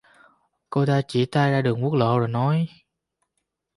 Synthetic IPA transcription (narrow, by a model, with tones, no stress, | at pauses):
ko˧t̪aː˧t͡ɕi˧˩t̪aː˧jzaː˧ɗɨ˨˩əŋ̚wu˦˥k̚lo̰˧˨zo˨˩jnɔ˨˦j